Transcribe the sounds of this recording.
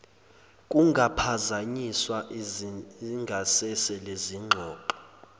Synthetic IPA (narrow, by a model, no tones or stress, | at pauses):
kʼuŋɡʱapʰazaɲiswaʔ | ŋɡʱasɛsɛleziŋ͡ǃʱɔːǃɔ